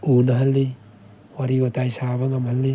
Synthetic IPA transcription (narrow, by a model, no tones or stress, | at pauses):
unaɦalːi | waɾiotajsaβaŋamhalːi